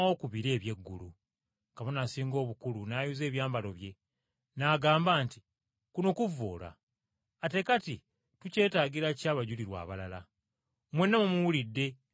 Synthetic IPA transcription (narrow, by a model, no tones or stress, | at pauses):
o̞ːkuβiɾe̞ːβje̞ɡːulṵ | kaβonasiːŋɡo̞ːβukulunaːjuze̞ːβjaːmbalo̞βje̞ | naːɡaːmbaːnti̥ | kunokuvoːla̰ː | te̞kati | tuce̞ːtaːɡiɾacaːβaɟuliɾwa̰ːβalala̰ | mwe̞nːamumuwulidːe̞